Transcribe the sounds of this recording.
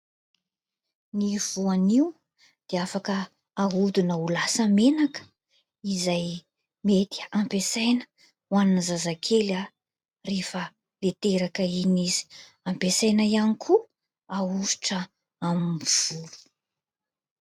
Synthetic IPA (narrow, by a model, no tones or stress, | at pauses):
niv̥uaniw | d̪̥eafakəː | ɦud̪unəulasamenakə̥ | izaj | met̪i̥ampesajnə̥ | wannəzazakʰela | refə | let̪eɾakəinizi̥ | ampesajnaianikʰu | auʃi̥ʈ͡ʂə | amiv̥ulu̥